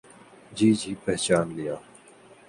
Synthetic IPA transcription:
d͡ʑiːd͡ʑiːpeːt͡ɕaːnlɪjaː

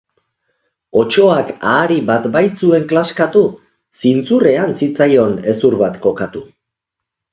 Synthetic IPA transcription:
o̞t͡ʃo̞akaːɾiβat̪bajt͡sue̞ŋklaskat̪u | sint͡sure̞ansit͡sajo̞ne̞suɾβat̪ko̞kat̪u

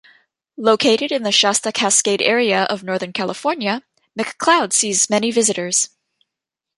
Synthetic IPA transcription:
loʊkʰeɪɾɨɾɨ̃nðɨʃɑstɨkʰæskeɪɾɛɹiɨʔʌ̰vnɔɹðə̃˞nkʰælˠəfɔɹnjɨ | mɨkʰl̥aʊd̥sizmɛnivɪzɨɾə˞z̥

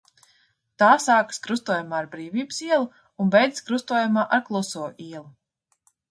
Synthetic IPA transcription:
t̪aːsaːkɨ̥skɾust̪uɔjamaːɾbɾiːviːbɨsiɛlˠu | unbɛjd̪ʲskɾust̪uɔjamaːʔaɾklˠusuɔʔiɛlˠu

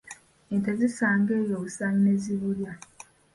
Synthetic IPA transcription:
entezisaːŋɡeːjousaːŋineziβulja

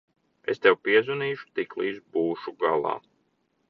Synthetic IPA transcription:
ḛst̪ɛwpiɛzuniːʃu̥t̪iklˠiːzbuːʃuɡalˠɑ̰ː

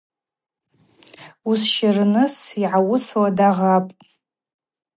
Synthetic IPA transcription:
usʃarnɨsiʕawʊswadaʁapʼ

